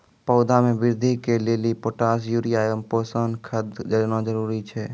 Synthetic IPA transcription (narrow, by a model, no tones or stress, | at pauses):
pəʊd̪ʱamẽbɪɾd̪ʱikeleːlipoːʈaːs̬juɾijaːəmpoːsənkʰəd̪d͡ʒəɾnad͡ʒəɾuːɾit͡ʃʰɛː